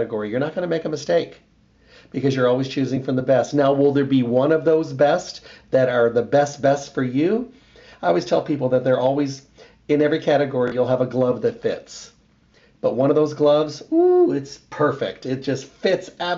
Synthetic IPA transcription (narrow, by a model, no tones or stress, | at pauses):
ɾɨɡɔɹijə˞nət̚ɡ̥ʌñəmeɪkɨmɨsteɪk | b̥ɨkʌzjə˞ɔlˠwiz̥t͡ʃʰʉzɪ̃ŋfɹʌ̃mðəbɛstⁿnaʊwɪlˠðə˞biwʌ̃nʌvðoʊzbɛstðɨɾə˞ðɨbɛst̚b̥ɛstfə˞jʉ | aɪɔlˠwiz̥tʰɛlˠpʰipl̩ˠðɨt̪̚ðə˞ʔɔlˠwiz | ɨ̃nɛvɹikʰæɾɨɡɔɹijulˠəvəɡlʌvðɨtfɪ̰ts | b̥ʌt̚wʌ̃ñʌvðoʊzɡlʌvzuɪtspʰɜ˞fɪ̰k̚tɨt̚d̥ʒ̥ʌstfɪtsæ